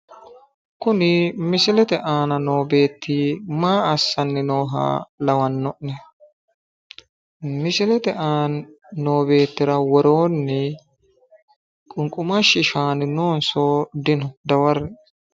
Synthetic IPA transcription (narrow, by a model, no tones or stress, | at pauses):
kʊnɪmɪsɪlɛt̪ɛʔaːnɐno̞ːbe̞ːt̪ːiːmaːɐsːɐnːɪnoːɦa̰ːlɐwɐnːɔʔnɛ | mɪsɪlɛt̪ɛʔaːnː | oːbe̞ːt̪ːɪɾɐwɔɾo̞ːnːɪ | kʼʊŋkʼʊmɐʃɪʃaːnɪno̞ːnsoːd̪ɪnʊd̪ɐwɐɾn